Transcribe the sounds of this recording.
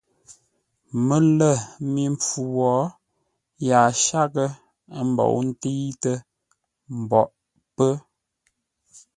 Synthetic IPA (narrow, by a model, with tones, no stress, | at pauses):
mə˨lə˦˨mi˨˦ɱp͡fu˨wɔ˨˦ | ja˨ʃa˦kə˦ | ə˦m̩˦˨bɔ̰˨ʔn̩˦ti˦tə˦ | m̩˨bɔ˨ʔ | pə˦